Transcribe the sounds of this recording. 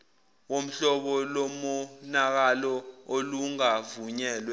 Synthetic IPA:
wom̩ɬɔɓɔlomunak̬alɔoluŋavuɲɛːlwɛ

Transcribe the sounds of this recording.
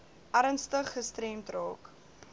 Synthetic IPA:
ʔɐɾənstəχːəstɾɛmtrɑːk

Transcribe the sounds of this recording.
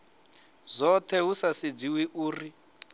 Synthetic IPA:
zɔt̪ʰɛɦusasid͡ziwiʔuːri

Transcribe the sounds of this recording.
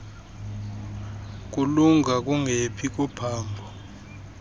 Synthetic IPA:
k̬ʼuluŋʱak̬ʼuŋepʰik̬ʼɔpʰaːmbʱɔ

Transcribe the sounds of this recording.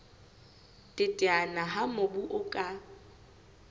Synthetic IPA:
tʼɪtʼɪanaɦamʊbuʔʊkʼa

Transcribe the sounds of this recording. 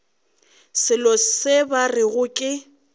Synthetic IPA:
sɪlɔsɪbarɪɣʊkʼɪ

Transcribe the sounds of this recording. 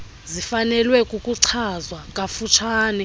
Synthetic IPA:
zifanɛlwɛkʼukʼuǀʰazwakʼafut͡ʃʰaːnɛ

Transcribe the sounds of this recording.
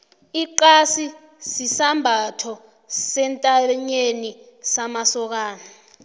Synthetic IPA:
iǃasi | sisambʱatʰɔ | sɛntʼaɲeni | samasɔk̬aːna

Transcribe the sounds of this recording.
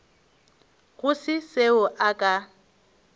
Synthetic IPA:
ɣʊsɪseʊʔakʼa

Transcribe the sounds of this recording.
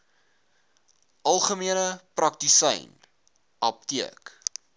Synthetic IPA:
ʔɐlˠχəmiənəprɐk̚tisɛ̰jn | ʔɐp̚tiək

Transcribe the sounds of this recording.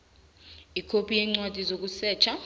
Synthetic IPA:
ikʰopʰʼijɛŋ͡ǀwatʼizok̬ʼusɛːt͡ʃʰa

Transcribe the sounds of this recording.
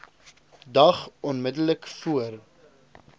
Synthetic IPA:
dɐχɔnmədələkfuər

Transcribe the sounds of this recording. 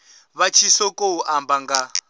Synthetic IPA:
βat͡ʃʰisɔkʼouʔambaŋɡa

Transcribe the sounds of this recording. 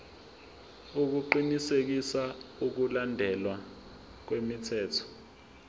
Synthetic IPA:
uk̬uǃinisek̬isauk̬ulandʱɛlwa | k̬wemitʰɛːtʰɔ̥

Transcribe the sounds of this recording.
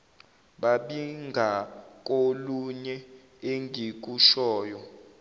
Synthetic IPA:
ɓaɓiŋʱak̬ʼoluɲɛ | eŋʱik̬uʃɔːjɔ

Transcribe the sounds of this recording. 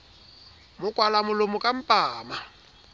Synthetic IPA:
mʊkʼwalamʊlomʊkʼam̩pʼaːma

